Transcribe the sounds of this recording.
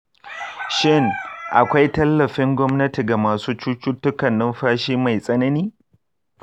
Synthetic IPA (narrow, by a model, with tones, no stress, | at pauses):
ʃɪ˦ŋʔa˨kʷa˦jtɐ˦lːɐ˨ɸɪ˦ŋɡʷɔ˦mnɐ˦ti˨ɡa˨maː˨suː˦t͡ʃuː˦t͡ʃʊ˦tːʊ˦kɐ˨nːɐ˦mɸaː˦ʃiː˦ma˨jsʼɐ˦nɐ˦niː˦